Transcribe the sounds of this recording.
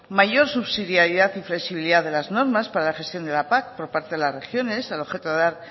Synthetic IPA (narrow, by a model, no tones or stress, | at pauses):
maʝo̞ɾsuβsiðjaɾjiðaθifle̞ksiβiliðaðe̞lazno̞ɾmaspaɾalaxe̞st̪jo̞nd̪elapak̚po̞ɾpaɾt̪eðelasre̞xjo̞ne̞saloxe̞t̪oðeðaɾ